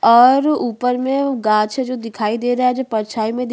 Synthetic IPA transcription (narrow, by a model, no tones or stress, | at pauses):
ɔːɾuːpəɾmẽɡãːt͡ʃʰed͡ʒod̪ɪkʰaːid̪eːɾaɛd͡ʒopɐɾt͡ʃʰaːimẽd̪